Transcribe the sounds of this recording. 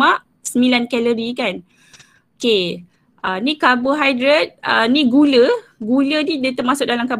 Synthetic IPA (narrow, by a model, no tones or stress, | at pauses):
aʔ | səmilankɛləɾikan | oke | ənikabəɦajdɾət̪̚əniɡuləɡulədidət̪əmasʊk̚dalamkab